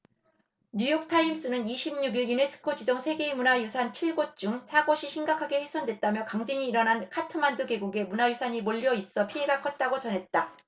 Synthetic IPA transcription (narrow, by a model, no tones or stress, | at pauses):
ɲujʌk̚tʰaims͈ɯnɯniɕʰimɲuɡiɭjune̞s͈ʰɯ̥kʰod͡ʑid͡ʑʌŋsʰe̞ɡe̞munajusʰant͡ɕʰiɭɡot͡ɕ͈uŋsʰaɡoɕʰiɕʰimɡakʰaɡe̞hesʰʌndwe̞t̚t͈amjʌkaŋd͡ʑiɲiːɾʌnankʰatʰɯmanduɡe̞ɡuɡe̞munajusʰaɲimoʎːʌis͈ʌpʰiɦe̞ɡakʰʌt̚t͈aɡot͡ɕʌnɦe̞t̚t͈a